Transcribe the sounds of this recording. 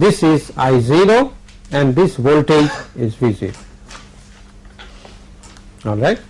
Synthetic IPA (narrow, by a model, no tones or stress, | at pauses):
d̪ɪsɪzaɪziɾo | ɛ̃ɳɖd̪ɪsʋolʈed͡ʒɪzʋizḭɾo | ɔːlɾaɪʈ̚